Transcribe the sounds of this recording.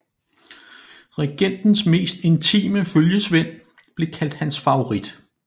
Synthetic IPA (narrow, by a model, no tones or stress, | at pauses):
ʁeɡ̥en̰d̥n̩sme̝̰ːsd̥e̝nt͡sʰḭːməføljəsʋen̰ | b̥le̝kʰæl̰d̥hænsfɑ̈oʁid̥